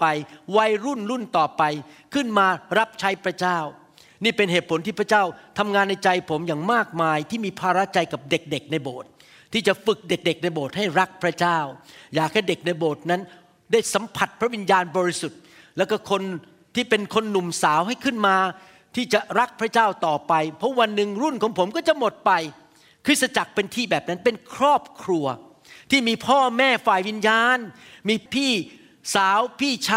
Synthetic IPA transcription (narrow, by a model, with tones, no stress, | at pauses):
pa˧jwa˦˧˥jɾu˥˩nɾu˥˩nt̪ɔː˨˩pa˧jkʰɯ˥˩nmaː˧ɾa˦˥p̚t͡ɕʰa˦˥jpʰɾa˦˥t͡ɕaː˥˩w | niː˥˩pe˧nheː˨˩t̪̚pʰo˩˦nt̪ʰiː˥˩pʰɾa˥t͡ɕaː˥˩wt̪ʰa˧mŋaː˧nːa˧jt͡ɕa˧jpʰo˩˦mjaː˨˩ŋmaː˥˩k̚maː˧jt̪ʰiː˥˩miː˧pʰaː˧ɾa˦˥t͡ɕa˧jka˨˩p̚de˨˩k̚de˨˩k̚na˧jboː˨˩t̪̚ʰː | iː˥˩t͡ɕa˨˩fɯ˨˩k̚de˨˩k̚de˨˩k̚na˧jboː˨˩t̪̚ha˥˩jɾa˦˥k̚pʰɾa˦˥t͡ɕaː˥˩wjaː˨˩k̚hɛː˥˩de˨˩k̚na˧jboː˨˩t̪̚na˦˥n | daː˥˩jsa˩˦mpʰa˨˩t̪̚pʰɾa˦˥wi˧njaː˧nbɔː˧ɾi˦˥su˨˩t̪̚ | lɛː˦˥wkɔ˥˩kʰo˧n | t̪ʰiː˥˩pe˧nkʰo˧nːu˨˩msaː˩˦wɦa˥˩jkʰɯ˥˩nmaː˧ | t̪ʰiː˥˩t͡ɕa˨˩ɾa˦˥k̚pʰɾa˦˥t͡ɕaː˥˩wt̪ɔː˨˩pa˧jpʰɔ˦˥wa˧nːɯ˨˧ŋɾu˥˩nkʰɔː˩˦ŋpʰo˩˦mkɔː˥˩t͡ɕa˨˩ʔmo˨˩t̪̚pa˧j | kʰɾɯ˦˥sa˧t͡ɕa˨˩k̚pe˧nt̪ʰiː˥˩bɛː˨˩p̚na˦˥npe˧nkʰɾɔː˥˩p̚kʰɾu˧ɐ | t̪ʰiː˥˩miː˧pʰɔː˥˩mɛː˥˩faː˨˩jwi˧njaː˧nmiː˧pʰiː˥˩ | saː˨˩˦wpʰiː˥˩t͡ɕʰa˥